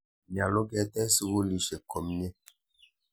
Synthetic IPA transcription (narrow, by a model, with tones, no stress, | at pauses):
ɲ˨a˨lo˦ɡɛ˦tɛ˦si˦ɡo˦li˨ʃe˨kɔ˨m˦ɲɛ˦